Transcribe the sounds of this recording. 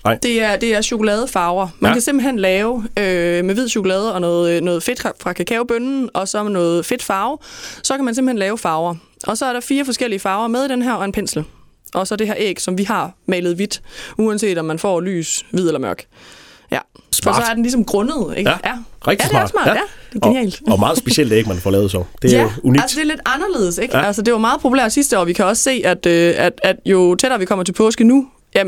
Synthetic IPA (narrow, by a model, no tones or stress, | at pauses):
d̥e̝æɐd̥e̝æɐɕo̝kolɛːð̞ˠəfɑ̈ʊɐmænkʰæsem̰b̥l̩hen̰lɛːʊømeʋiðˠɕo̝kʰolɛːð̞ˠəɒ̽nɔ̽ːð̩ˠnɔ̽ːð̞̩ˠfe̝d̥ʰfʁɑ̈kʰækʰɛːʊb̥ønn̩ʔɒ̽sɒ̽nɔ̽ːð̩ˠfe̝d̥fɑ̈ʊsɒ̽kʰæmænsemb̩henlɛːʊfɑ̈ʊɐ | ʔɒ̽sɒ̽æɐɾɑ̈fiːɐfɒ̽sɡ̥el̰iəfɑ̈ːʊɐmeðˠid̥enɦæɐ̰ɒ̽e̝npʰen̰sl̩ | ʔɒ̽sɒ̽de̝ɦæɐ̰ʔḛːɡ̥sɒ̽mʋiɦɑ̈mɛːlð̩ˠʋid̥uænse̝̰ːd̥ɒ̽mːænfɒ̰ːly̰ːsʋið̞̰ˠelɐmɶɐɡ̥ | jʔæfɒsɒ̽æɐd̥en̩lis̬ɒ̽mɡ̥ʁɔnəð̞ˠeɡ̥jæɛɡ̥̚isesmɑ̰̥̈jæd̥e̝ɡ̥eniɛ̰ːld̥ɒmɑ̈ːð̩ˠsb̥eɕel̰d̥eɡ̥̚mænfɒ̰lɛːʊsɒ̰d̥e̝uniælsd̥e̝ɐle̝d̥ɑ̈nɐle̝ːð̞̩ˠəseɡ̥ælsəd̥e̝ʋɑ̈mɑ̈ːð̩ˠpʰo̝ulḛɐd̥sisd̥əɒ̰ːʋikʰæɒ̽sse̝̰ːæd̥øæd̥æd̥jo̝t͡sʰed̥ɾɐːʋikʰɒ̽m̰ɐt͡sʰepʰɔ̽ːsɡ̥ənu | jæ